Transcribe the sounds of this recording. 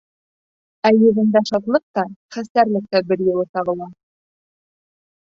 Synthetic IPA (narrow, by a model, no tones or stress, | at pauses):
æjɵ̆ɣɘ̆nd̪æʃɑt̪lˠɤq̚t̪ɑχæsæɾlɘ̆k̚t̪æbɘɾjɤ̆lˠɤt̪ɑβɤ̆lˠɑ